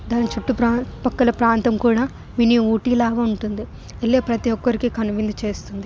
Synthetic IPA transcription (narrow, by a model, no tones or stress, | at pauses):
d̪aːnit͡ʃuʈːupɾaːpɐkːɐlɐpɾaːnt̪ɐmkuːɽaː | miniuːʈiːlaːʋɐuɳʈund̪i | elːeːpɾɐt̪iʋɔkːɐɾikikɐnuʋind̪ɐt͡ʃe̞ːst̪und̪i